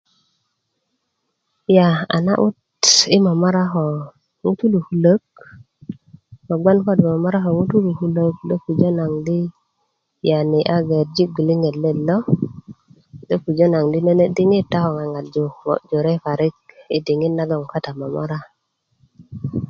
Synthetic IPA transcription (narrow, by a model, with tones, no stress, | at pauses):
ja˨a̰˨na̰˦ʔu˦t | i˦ma˨ma˦ɾa˦xo˨ | ŋu˦tu˦lu˨hu˦lə˦k̚ | ma˨ɡ͡bʷa˦nko˦di˨ma˨ma˦ɾa˦ɦo˨ŋu˦tu˦lu˨hu˦lə˦kdo˦ku˨d͡ʒo˦na˨ŋdi˦ | ja˨ni˨ʔa˦ɡe˨ɾd͡ʒi˦ɡi˨li˦ŋe˨le˦lo˦ | do˦ku˨d͡ʒo˦na˨ŋdi˦ne˦ne˦di˦ŋi˦tːa˦ho˨ŋa˨ŋa˨t̚d͡ʒo˨mo̰˨ʔd͡ʒo˨ɾe˦fa˨ɾi˦k̚ḭ˨di˨ŋi˦tna˦ɡo˨ŋka˦ta˨ma˨ma̰˦ɾa˦